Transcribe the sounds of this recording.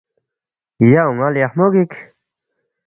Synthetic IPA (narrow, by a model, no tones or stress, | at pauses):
ijauŋaljahmoɡik